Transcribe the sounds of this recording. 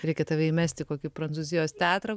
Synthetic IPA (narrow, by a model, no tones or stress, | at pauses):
ɾʲɛɪkʲɛt̪ɑʋʲɛɪmʲæːsʲt̪ʲɪkoːkʲɪpɾɐnt͡s̪uːzʲɪjoːst̪ʲæːt̪ɾɐ